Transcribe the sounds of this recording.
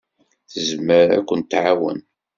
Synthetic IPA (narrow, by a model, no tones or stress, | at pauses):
θəzməɾæ̰kʷːənt̪ːʕawə̰n